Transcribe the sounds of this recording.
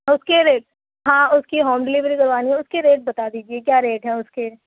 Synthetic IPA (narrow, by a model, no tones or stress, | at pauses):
ʊskeɾeːʈ̚ | ɦãːʊskiɦoːmɖɪlɪʋɾikɐɾʋaːniɦɛ̃ʊskeɾeːʈ̚bɐt̪ad̪iːd͡ʒiekjaːɾeːʈɦɛ̃ʊske